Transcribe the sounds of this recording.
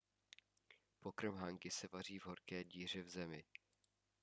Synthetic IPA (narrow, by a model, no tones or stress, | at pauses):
po̞kɾ̩mɦaŋkɪsɛvar̝iːvɦo̞ɾkɛːɟiːr̝ɛvzɛmɪ